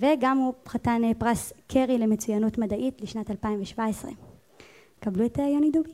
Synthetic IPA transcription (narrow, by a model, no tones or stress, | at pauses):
veɡamupχatanepʁaskʰeʁile̞me̞t͡sujanutmadaʔitliʃnatalpaimveʃvaesʁḛ | kabluetaajonidubi